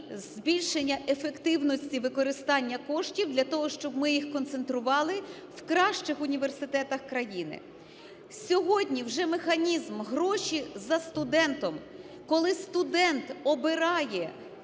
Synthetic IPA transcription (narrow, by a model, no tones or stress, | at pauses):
zbʲilʲʃenʲːɐʔefekt̪ɪwnɔsʲtʲiʋɪkɔɾɪst̪ɑnʲːɐkɔʃtʲiwd̪lʲɐt̪ɔɦɔʃt͡ʃɔbmɪjixkɔnt̪se̞nt̪ɾʊʋɑlˠɪ | wkɾɑʃt͡ʃɪxʊnʲiʋe̞rsɪt̪ɛt̪ɐxkɾɐjinɪ̰ | sʲɔɦɔdʲnʲiwʒɛmexɐnʲizmɦɾɔʃizɐst̪ʊd̪ɛnt̪ɔm | kɔlˠɪst̪ʊd̪ɛnt̪ɔbɪɾɑjɛ